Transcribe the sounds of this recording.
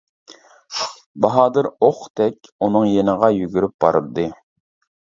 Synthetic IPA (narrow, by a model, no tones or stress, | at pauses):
bɑɦɑːd̪ɨɾoχt̪ʰɛkʲunɨŋjenəʁɑjyɡʲyɾyp̚bɑ̰ɾɨd̪ːɨ